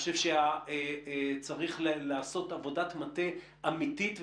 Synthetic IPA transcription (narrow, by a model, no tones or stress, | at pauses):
oʃevʃeaet͡saʁiχllaːso̞tavo̞datmate | amititv